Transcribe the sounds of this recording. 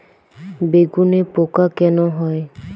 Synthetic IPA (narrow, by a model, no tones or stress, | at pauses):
beɡunepokakɛnɔɦɔj